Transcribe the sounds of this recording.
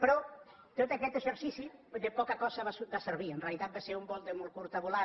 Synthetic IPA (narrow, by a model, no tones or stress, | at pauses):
pɾɔ | t̪ot̪akɛt̪eʃeɾsisid̪epɔkɐkɔsaβasbaseɾβienrealit̪at̪̚baseɾumbolt̪emolkuɾt̪aβula